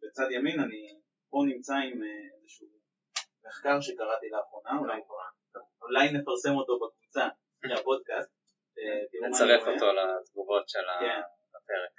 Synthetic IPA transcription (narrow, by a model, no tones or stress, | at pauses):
bet͡sadjaminani | po̞nimt͡saimeezeʃu | me̞χkaʁʃe̞kaʁat̪ilaːχʁo̞naulajkaʁa | ulajne̞faʁse̞mo̞to̞bakvut͡sa | eapo̞d̚kast̪̚ | etieut͡saʁeχot̪olat̪vuvo̞tʃelaken | apeʁek